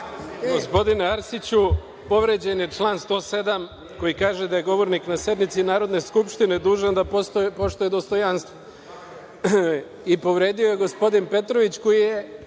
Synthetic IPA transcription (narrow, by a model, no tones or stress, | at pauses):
ɡo̞spo̞d̪ineaɾsit͡ɕu | po̞ʋɾed͡ʑe̞nje̞t͡ʃlˠaːnst̪o̞ːse̞d̪am | ko̞jikaːʒe̞d̪aje̞ɡo̞ʋo̞ɾniknase̞d̪mit̪sinaːɾo̞d̪ne̞skupʃt̪ine̞d̪uːʒand̪apt̪opo̞ʃt̪ojed̪o̞st̪o̞janst̪ʋo | ipo̞ʋɾe̞ːd̪ioje̞ɡo̞spo̞d̪inpe̞t̪ɾo̞ʋit͡ɕko̞jije